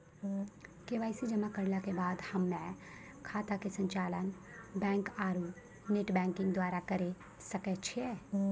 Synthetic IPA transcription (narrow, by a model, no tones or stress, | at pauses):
keʋaːɪsid͡ʒəmakəɾlakebaːd̪hɐmːɛ̃ | kʰaːt̪akesə̃ɲt͡ʃaːlən | bɛ̃ːŋkaːɾu | neʈbɛ̃ːŋkɪ̃ŋɡd̪waːɾakɐɾe | sɐkɛt͡ʃʰie